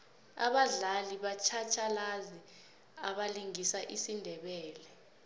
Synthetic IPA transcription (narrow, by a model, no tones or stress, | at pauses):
a̰ɓaɮaliɓat͡ʃʰat͡ʃʰalazi | aɓaliŋisaʔisindʱɛɓɛːlɛ